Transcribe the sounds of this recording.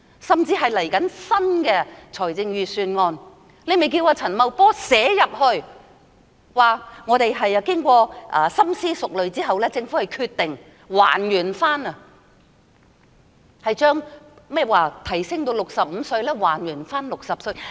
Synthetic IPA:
sɐ˨˩mt͡siː˧ɦɐ˨jlɐ˨˩jkɐ˨˥nsɐ˥nkɛː˧t͡sʰɔː˨˩jt͡sɪ˧ŋɥyː˨˧syː˧nŋɔː˧n | le˨˧me˨jk̬iː˧waː˧t͡sʰɐ˨˩nmɐ˨wpɔː˥sɛː˨˥jɐ˨p̚hɵ˧ɥ | waː˨˩ŋɔː˨˧t̪e˨jɦɐ˨jɐ˨kɪ˥ŋkʷɔː˧ʔɐː˨˧sɐ˥msiː˥sʊ˨k̚lɵ˨ɥt͡siː˥ɦɐ˨wlɛː˥t͡sɪ˧ŋfu˨˥hɐ˨jkʰyː˧t̪ɪ˨ŋ | wa̰ː˨˩njyː˨˩nfaː˥nɐ˨ | hɐ˨jt͡ʃœː˥ŋmɛ˥˨waː˨t̪ʰɐ˨˩jsɪ˥ŋt̪o˧wlʊ˨k̚sɐ˨p̚m̩ː˨˧sɵ˧ɥlɛː˥waː˨˩njyː˨˩nfaː˥nlʊ˨k̚sɐ˨p̚sɵ˧j

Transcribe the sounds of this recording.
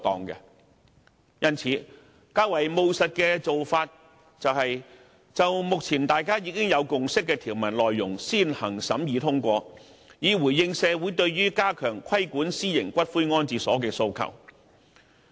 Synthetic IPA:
t̪ɔ̰ː˨ŋkɛ̰˧ | jɐ˥nt͡sʰiː˨˥ | kaː˥wɐ˨˩jmo˧wsɐ˨t̚kɛː˧t͡so˨wfaː˧t̚ | t͡sɐ˨whɐ˨j | t͡sɐ˨wmʊ˨k̚t͡sʰiː˨˩nt̪aː˨jkaː˥jiː˨˧˥kɪ˥ŋjɐ˨˧wkʊ˨ŋsɪ˥kːɛ˧t̪ʰiː˨˩wmɐ˨˩nlɔː˨jːʊ˨˩ŋsiː˥˩nhɐ˨˩ŋsɐ˨˥mjiː˨˧t̪ʰʊ˥ŋkʷɔː˧ | jiː˨˧wu˨˩jːɪ˧ŋsɛː˨˧wu˨˥jt̪ɵ˧ɥɥyː˥kaː˥kʰœː˨˩ŋkʰɐ˥jkuː˨˥nsiː˥jɪ˨˩ŋkʷɐ˥t̚fuː˥jŋɔː˥nt͡siː˨˧sɔː˨˥kɛː˧so˧wkʰɐ̰˨˩w

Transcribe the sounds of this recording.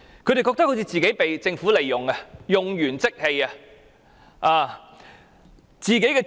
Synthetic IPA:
kʰɵ˨˧jɾe˨jkɔ˧kt̪ɐ˥kho˧˥t͡sʰiː˧t͡siː˨ke˨˥jpe˨jt͡sɪ˧ŋfu˨˥le˨˩jːʊ˨ŋɐ˧jʊ˨ŋjyː˨˩nt͡sɪ˥k̚he˧jɐ˧ | ʔaː˨˧ | t͡siː˨ke˨˥jkɛ˧

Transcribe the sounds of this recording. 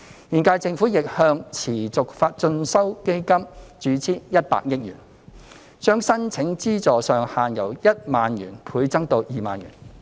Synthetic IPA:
jiː˨nkaː˧jt͡sɪ˧ŋfu˨˥jɪ˨k̚hœː˧ŋt͡sʰiː˨˩t͡sʊ˨k̚faː˧t̚t͡ʃɵ˧nsɐ˥wke˥jkɐ˥mt͡ʃyː˨˧t͡sʰiː˥jɐ˥t̚pa̰ː˧k̚jɪ˥k̚jy̰ː˨˩n | t͡ʃœː˥ŋsɐ˥nt͡sʰɪ˨˥ŋt͡siː˥t͡sɔː˨sœː˨˧ŋhaː˨njɐ˨˩wjɐ˥t̚maː˨njyː˨˩npʰuː˨˧˥jt͡sɐ˥ŋt̪o˧wjiː˨˩maː˨njy̰ː˨˩n

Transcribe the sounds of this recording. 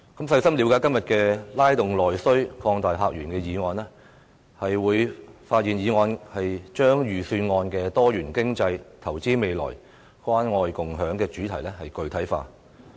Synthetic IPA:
kɐ˨˥msɐ˧jsɐ˥mli˨˧wkaː˧˥kɐ˥mjɐ˨t̚kɛː˧laː˥jt̪ʊ˨ŋlɔː˨˩jsɵ˥ɥkʰɔː˧ŋt̪aː˨jɦaː˧k̚jyː˨˩nkɛː˧jiː˨˧ŋɔː˨˧nlɛː˥ | hɐ˨jwuː˨˧jfaː˧t̚jiː˨˩njiː˨˧ŋɔː˧nhɐ˨jt͡ʃœː˥ŋjyː˨˩syː˧nŋɔː˧nkɛː˧t̪ɔː˥jyː˨˩nkɪ˥ŋt͡sɐ˧jt̪ʰɐ˨˩wt͡siː˥me˨jlɔ̰ː˨˩j | kwaː˥nŋɔː˧jkʊ˨ŋɦœː˨˥ŋkɛː˧t͡ʃyː˨˥t̪ʰɐ˨˩jlɛ˥hɐ˨jkɵ˧ɥt̪ʰɐ˨˥jfa̰ː˧

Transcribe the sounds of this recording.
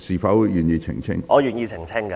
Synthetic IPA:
siː˨˩fɐ˨˥wjyː˨˩njiː˧t͡sʰɪ̰˨˩ŋt͡sʰɪ̰˥ŋʔɔː˨˧jyː˨˩njiː˧t͡sʰɪ˨˩ŋt͡sʰɪ˥ŋkɐ˧

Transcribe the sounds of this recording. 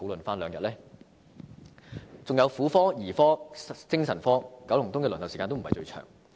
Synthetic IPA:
o˨˥wlɵ˨nfaː˥nlœː˨˧ŋjɐ˨t̚lɛː˥ | t͡sʊ˨ŋjɐ˨˧wfuː˨˥fɔː˥jiː˨˩fɔː˥t͡sɪ˥ŋsɐ˨˩nfɔː˥kɐ˨˥wlʊ˨˩ŋt̪ʊ˥ŋkɛː˧lnɐ˨wsiː˨kaː˧nt̪m̩˨ɐ˨jt͡ʃɵ̰˧ɥt͡ʃʰœ̰ː˨˩ŋ

